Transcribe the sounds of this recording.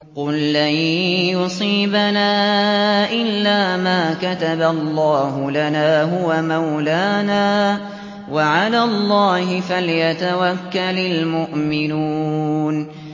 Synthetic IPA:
qʊlːanjʊsˤiːbanaːʔɪlːaːmaːkat̪abalˤːɑːɦʊlanaːɦʊwamawlaːnaː | waʕalaːlˤːɑːhɪfalɪjat̪awakːalalmʊʔmɪnuːn

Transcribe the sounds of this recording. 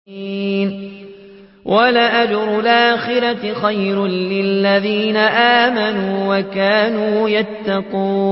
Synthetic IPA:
n | wʔalaʔad͡ʒɾˤʊlʔaːxɪɾat̪ɪxajɾlɪlːaðiːnaʔaːmanuːwakaːnuːjat̪ːɑquː

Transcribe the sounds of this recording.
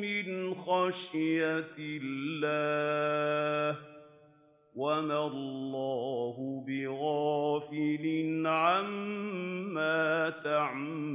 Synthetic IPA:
mɪnxɑʃjat̪lːaː | h | wamalllːɑːɦʊbɪɣɑːfɪlɪnʕamː | aːt̪aʕmː

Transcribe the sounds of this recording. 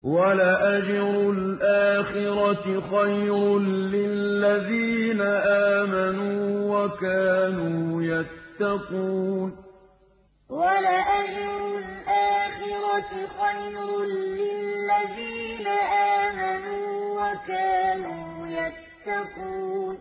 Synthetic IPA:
walaʔad͡ʒɾʊlʔaːxɪɾɑɪxajɾɾlɪlːaðiːnaʔaːmanuːwakaːnuːjat̪ːɑquːn | walaʔad͡ʒɾʊlʔaːxɪɾɑxajɾlɪlːaðiːnaʔaːmanuːwakaːnuːjat̪ːɑquːn

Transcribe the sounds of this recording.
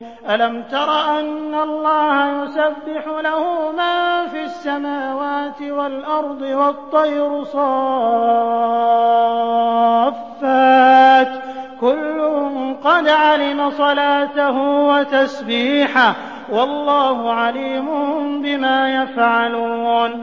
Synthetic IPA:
ʔalamt̪ɑɾˤɑʔanːaɑlˤːɑːhajʊsabːɪħʊlahʊmaːfiasːamaːwaːt̪ɪwalʔɑɾˤd̪ˤɨwɑt̪ˤːɑjɾʊsˤɑ | fːaːt̪kʊlːʊqɑd̪ʕalɪmasˤɑlaːt̪aɦʊwat̪asbiːħa | wɑlˤːɑːhʊʕaliːmʊbɪmaːjafʕaluːn

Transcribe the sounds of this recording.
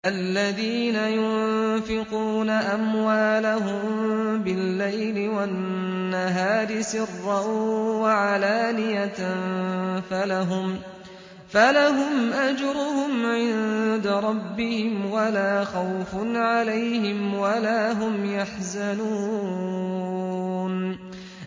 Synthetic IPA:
ʔalːaðiːnajʊnfɪquːnaʔamwaːlaɦʊmbɪlːajlɪwanː | aɦaːɾɪsɪrːɑwaʕalaːlɪjat | falaɦʊm | falaɦʊmʔad͡ʒɾʊhʊmʕɪnd̪aɾˤɑbːɪhɪmwalaːxawfʊnʕalajhɪmwalaːɦʊmjaħzanuː | n

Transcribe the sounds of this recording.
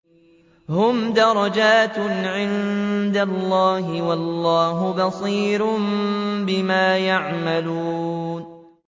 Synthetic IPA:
hʊmd̪ɑɾˤɑd͡ʒaːt̪ʕɪnd̪alːɑːɦɪwɑlːɑːɦʊbɑsˤiːɾʊmbɪmaːjaʕmaluːn

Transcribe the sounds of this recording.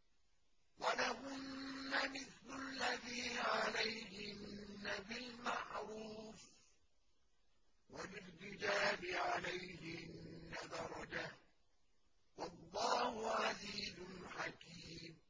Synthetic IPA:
walahʊnːamɪθlalːaðiːʕalajhɪnːabɪlmaʕɾuːf | walɪrtɪd͡ʒaːlɪʕalajhɪʔɪnnnːad̪ɑɾˤɑd͡ʒa | wɑlˤːɑːhʊʕaziːzʊlħakiːm

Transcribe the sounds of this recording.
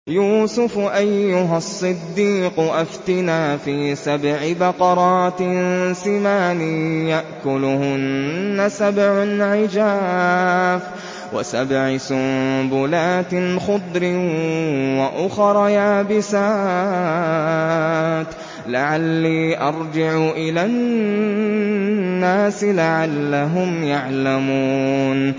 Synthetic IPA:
juːsʊfʔajːʊɦasˤːɨd̪ːiːqʊʔaft̪ɪnaːfiːsabʕɪbɑqɑɾˤɑːt̪sɪmaːniːjaʔkʊlʊhʊnːasabʕʊnʕɪd͡ʒaː | f | wa̰sabʕɪsʊmbʊlaːt̪xʊd̪ˤɾɪ | waʔʊxɾˤɑjaːbɪsa | t̪ | laʕalːiːʔɑɾˤd͡ʒɪʕʊʔɪlaːn | aːsɪlaʕalːaɦʊmjaʕlamuːn

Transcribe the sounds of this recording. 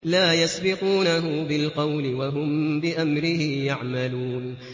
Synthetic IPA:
laːjasbɪquːnaɦʊbɪlqɑwlɪwaɦʊmbɪʔamɾɪhɪjaʕmaluːn

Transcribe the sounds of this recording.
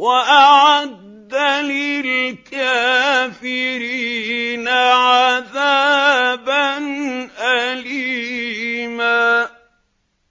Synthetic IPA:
waʔaʕad̪ːalɪlkaːfɪɾiːnaʕaðaːbanʔali | maː

